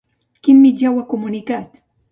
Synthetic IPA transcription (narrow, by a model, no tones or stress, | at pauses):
kɪmːɪʎawakomʊnɪkaːt̪